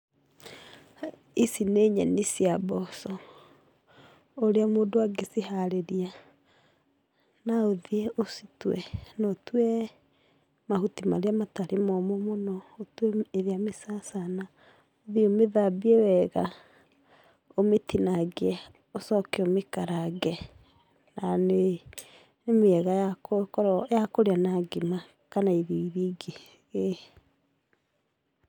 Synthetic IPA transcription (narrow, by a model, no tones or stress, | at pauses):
isineɲɛnisiabɔsɔ | oɾeamoːndoaɡesiɦaɾeɾia | naoðieositwɛnɔtwɛ | mahutimaɾeamataɾemɔmɔmonɔotwɛeðeamesasana | oðiomeðabiewɛɣa | ometinaɡeɛ | osɔkɛomekaɾaɡɛ | nane | nemeɛɣajakoɾjakoɾeanaɡema | kanaiðiiðiɡe | ɣe